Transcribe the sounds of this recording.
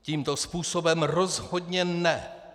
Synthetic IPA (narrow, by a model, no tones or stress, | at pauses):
ciːmt̪ospuːso̞bɛmrozho̞d̪ɲɛnɛ